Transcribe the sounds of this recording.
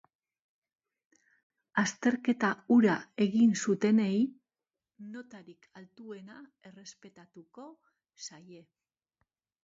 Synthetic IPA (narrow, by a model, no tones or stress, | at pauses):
ast̪e̞ɾke̞t̪auɾae̞ɣinsut̪e̞ne̞j | no̞t̪aɾikʰalt̪ue̞nae̞re̞spe̞t̪at̪uko̞ | saje̞